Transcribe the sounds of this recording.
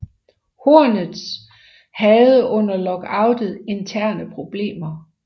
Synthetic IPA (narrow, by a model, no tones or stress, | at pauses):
hoɐnð̩ˠs | hɛð̞̩ˠəʔɔ̽n̰ɐlɒ̽ɡ̥ɑ̈ʊ̰d̥ð̩ˠe̝nt͡sʰæɐ̰nəpʰʁo̝b̥le̝̰ːmɐ